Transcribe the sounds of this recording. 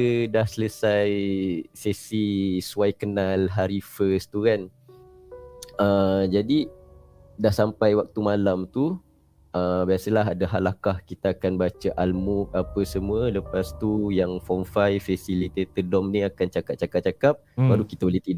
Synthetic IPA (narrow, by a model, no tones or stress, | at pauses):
ədahsələsajsesisuajkənalɦaɾifəst̪ukan | əd͡ʒadi | dahsampajwak̚t̪umãlamt̪u | əbiasəlaɦadaɦalakahkit̪aakanbat͡ʃaʔalmuk̚apəsəmũələpast̪ujaŋfɔnfajfɛsilit̪et̪ədɔmniakant͡ʃakap̚t͡ʃakap̚t͡ʃakap̚baɾukit̪aolet̪id